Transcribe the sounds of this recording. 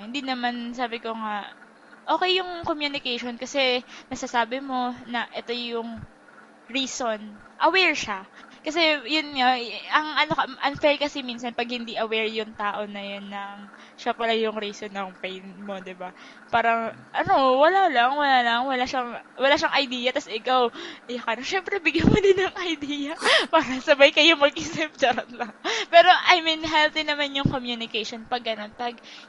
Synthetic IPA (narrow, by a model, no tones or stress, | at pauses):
hɪnd̪inɐmansaːbɪko̞ŋa | ʔo̞ːkɛjːʊŋkomjunɪkɛjʃonkɐsɛmɐɡsasaːbɪmo̞nɐʔɛt̪o̞jʊŋ | ɾiːson | ʔɐwɛɹʃakɐs̬ɛjʊnŋaɐŋʔɐnokɐʔɐŋfɛlkɐsimiːnsɐnpɐɡ̚hɪnd̪iʔɐwɛɹjʊŋt̪aːʔo̞nɐjonːɐŋ | ʃapɐlajʊŋɾiːsonɐŋpɛjnmod̪ɪba | paːɾɐŋʔɐnowɐlalɐŋwɐlalɐŋwɐlaʃɐŋwɐlaʃɐŋʔɐjd̪iːjɐt̪ɐsʔɪkawʔɐjokɐnɐʃɛmpɾɛbɪɡjɐnmod̪ɪnːɐŋʔɐjd̪ijɐpaːɾɐsɐbajkɐjʊŋmɐɡ̚ʔɪsɛpd̪ɐɾɐt̪lɐŋpɛːɾo̞ʔɐjminɦɛlt̪ɪnɐmanjʊŋkomjunɪkejʃonpɐɡːɐno̞npɐɡ̚